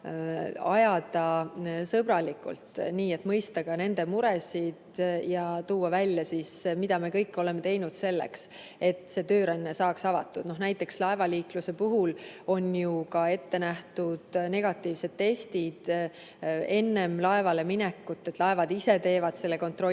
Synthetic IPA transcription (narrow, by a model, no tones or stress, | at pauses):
ɑjɑd̪̥ɑsɤb̥ɾɑlikṵlt̪niːe̞t̪ːmɤjst̪ɑɡ̥ɑne̞nd̪̥e̞muɾɛsid̪̥jɑt̪uːɑvælʲːjɑsismid̪̥ɑmekɤ̞jkːˑo̞lɛ̞me̞t̪e̞jnud̪̥se̞lːḛks | e̞t̪se̞ːt̪øːɾɑnʲːesɑːksɑvɑ̰t̪ːˑud̪̥no̞hnæjt̪ːˑe̞kslɑevɑliːkluse̞puɦulo̞njukɑe̞t̪ːe̞næht̪ud̪̥ne̞ɡ̥ɑt̪ːˑiːvse̞d̪̥̚t̪ːe̞st̪id̪̥ | e̞nːe̞mlɑe̞vɑle̞minɛkːut̪ˑːet̪lɑe̞vɑd̪ise̞t̪e̞ːvɑd̪̥se̞lːeko̞nt̪ˑro̞